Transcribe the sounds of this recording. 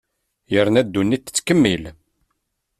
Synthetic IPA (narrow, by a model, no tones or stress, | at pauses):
jəɾnæd̪ːunːit̪ːə̥t͡sːkəmːil